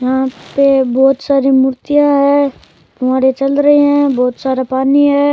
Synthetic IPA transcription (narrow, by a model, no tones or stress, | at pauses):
jɐɦãpebɔːt̪saːɾimʊɾt̪ijãɦɛː | t̪ʊmaːɾet͡ʃɐlɾɐɦeɦɛ̃bɔːt̪saːɾapaːniɦɛː